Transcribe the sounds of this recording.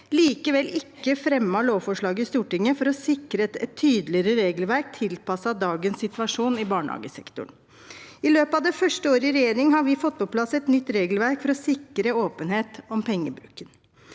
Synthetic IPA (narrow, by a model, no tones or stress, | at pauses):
liːkəʋɛlʔɪkːəfɾɛmːɑɭoːʋfɔʂɭɑːɡəɪst̪uːʈɪŋːəfɔɾɔsɪkɾəɛt̪t̪ʰːyːd̪əlɪɾəɾeːɡəlʋæɾk̚t̪ʰɪlpɑsɑd̪ɑːɡənsːɪt̪ʋɑʂuːnɪbɑːɳhɑ̰ːɡəsɛkt̪ʊ̰ɳ | ɪløːpɑʋd̪ɛfœʂʈəoːɾəɪɾɛjeːɾɪŋhɑɾʋɪfɔt̪ːpʰɔpʰlɑsɛt̪nʏt̪ːɾeːɡəlʋæɾkfɔɾɔsɪkɾəoːpənheːt̪ɔmpʰɛŋːəbɾʉ̰kːən